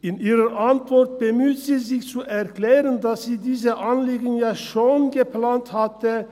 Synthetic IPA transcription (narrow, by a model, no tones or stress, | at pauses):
ʔɪnʔiːʁɐʔantv̥ɔʁt̚b̥əmyːtz̥iːzɪçt͡suʔɛʁklɛːʁəndasz̥iːdiːzəʔanliːɡn̩jaːʃoːnɡəplaːnthatə